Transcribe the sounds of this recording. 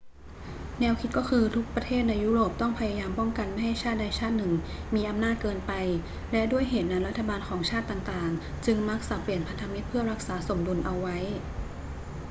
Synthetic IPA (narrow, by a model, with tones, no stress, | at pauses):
nɛː˧˥wkʰi˦˥t̪̚kɔː˥˩kʰɯː˧t̪ʰu˦˥k̚pɾa˧t̪ʰeː˥˩t̪̚na˧jːuː˦˥ɾoː˨˩p̚t̪ɔ˥˩ŋpʰa˧ja˧jaː˧mpɔ˥˩ŋka˧nma˥˩jha˥˩jt͡ɕʰaː˥˩t̪̚da˧jt͡ɕʰaː˥˩t̪̚nɯ˨˩ŋmiː˧ʔa˧mnaː˥˩t̪̚kɤː˧npa˧j | lɛ˦˥ʔdu˥˩əjɦeː˨˩t̪̚naː˧nɾa˦˥t̪ʰːa˧baː˧nkʰɔː˩˦ŋt͡ɕʰaː˥˩t̪ːaː˨˩ŋt̪aː˨˩ŋ | t͡ɕɯ˧ŋma˦˥k̚sa˧˩pli˨˩ənpʰa˧nt̪ʰa˧mi˦˥t̪̚pʰɯ˥˩ɐɾa˦˥k̚saː˩˦so˨˩˦mdu˧nʔa˧wːa˦˥j